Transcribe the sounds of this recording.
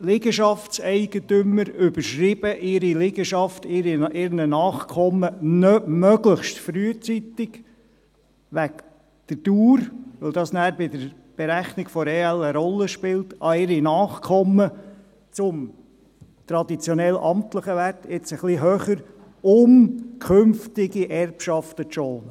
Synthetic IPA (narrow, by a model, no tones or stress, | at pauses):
lɪɡəʃɑftt͡sɛɪɡ̥ət̪ʏmːəɾʏb̥əɾʃrɪb̥əʔɪɾilɪɡəʃɑftɪɾiʔɪɾnənɑːχkʰɔmənœmœɡləχʃtfɾyːət͡sit̪ɪɡ | ʋæk | d̪̥əduːɾʋɪld̪ɑsnæːɾbɪd̪əɾ | b̥ɛɾæχnɪɡfɔɾeːæləɾɔlːəʃpɪltʔɑɪɾinɑːχkʰɔmːə | t͡sʊm | tɾɑd̪it͡sjɔnɛlʔɑmt̪ləχəʋætɪt͡səχliɦøːχəɾ | ʊmkʰʏmftɪɡiʔɛrpʃɑftətʃɔːlə